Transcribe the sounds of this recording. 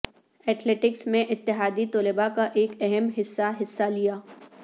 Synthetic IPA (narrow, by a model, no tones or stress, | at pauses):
ɛːʈʰleːʈɪksmẽʔɪt̪ːɪɦaːd̪it̪ɔːlɪbakaʔeːkɛɦɛmɦɪsːaɦɪsːalijaː